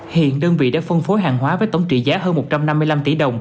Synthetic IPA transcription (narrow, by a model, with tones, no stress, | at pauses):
hḭ˧˨ənɗəː˧nvḭ˧˨ɗa̰ː˧˥fə˧nfo˨˦jɦaː˨˩ŋɦwaː˨˦vəː˨˦jt̪ə˧˩wŋ͡mt͡ɕḭ˧˨zaː˨˦ɦəː˧nmo˨˩t̚t͡ɕa˧mna˧mːɨ˧əjla˧mt̪i˧˩ɗə˨˩wŋ͡m